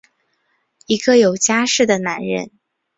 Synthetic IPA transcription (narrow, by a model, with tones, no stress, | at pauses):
i˧˥ɡə˧jo˨˩ʊt͡ɕja˥ʂɻ̩˥˩d̪ə˩na˧˥nɻə̰˥˩˦n